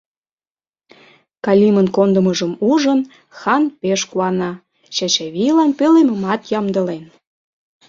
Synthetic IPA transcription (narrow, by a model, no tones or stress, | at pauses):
kɑlʲimənkond̪əməʒəmuʒən | xɑnpeʃkuɑnɑ | t͡ɕɑt͡ɕɑβilɑnpeleməmɑt̪jɑmd̪ə̆len